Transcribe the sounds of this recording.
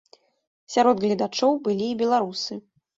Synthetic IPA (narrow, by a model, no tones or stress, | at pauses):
sʲaɾɔd̪ɣlʲid̪at͡ʂɔwbɨlʲiːbʲɛlˠaɾusɨ